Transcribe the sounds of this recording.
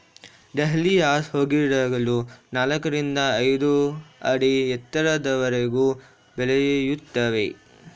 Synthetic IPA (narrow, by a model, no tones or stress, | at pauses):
ɖ̪eɦliaːshoːɡiɽaːɡɐlunaːlɐkɐɾind̪ɐːjd̪uɐɽiɛt̪ːɐɾɐd̪ɐʋɐɾeɡuː | bɛlejjut̪ːɐʋe̞